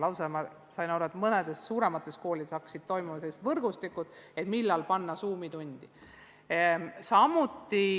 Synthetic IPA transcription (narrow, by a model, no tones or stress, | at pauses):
lɑwsemɑ | sɑjnɑɾuet̪mɤned̪̥e̞sːuːɾe̞mɑt̪ːˑesko̞ːlid̪esɑksid̪̥̚t̪o̞jmumɑselist̪vɤrɡ̥ust̪ikːˑud̪̥e̞t̪milːɑlpɑnːɑsuːmid̪unʲd̪̥i | sɑmut̪ːˑi